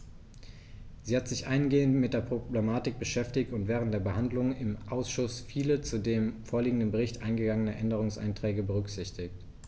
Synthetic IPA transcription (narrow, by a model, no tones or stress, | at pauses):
z̥iːhatz̥ɪçʔaɪnɡeːəntmɪt̚d̥eːɐpʁ̥oblemaːtɪk̚b̥əʃɛftɪçtʊntv̥ɛːʁ̞əntd̥eːɐbəhandlʊŋɪmʔaʊsʃʊsfiːlət͡sudeːmfoːɐliːɡŋ̩dənbəʁɪçtʔaɪnɡəɡaŋənəʔɛndəʁ̞ʊŋsʔa̰ɪntʁ̥ɛːɡəbəʁ̞ʏkz̥ɪçtɪçt